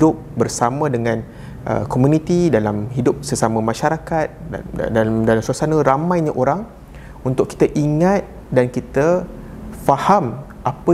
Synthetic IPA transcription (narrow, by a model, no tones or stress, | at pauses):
dʊp̚bərsamə̃dəŋãn | ʔə̰komunĩt̪idalamhidʊp̚səsamə̃mãʃaɾakat̪̚ | mdalamsuasanə̃ɾamãjɲaʔoɾaŋ | unt̪ʊkːi̥t̪əʔiŋat̪̚ | dankit̪ə | faham | ʔapə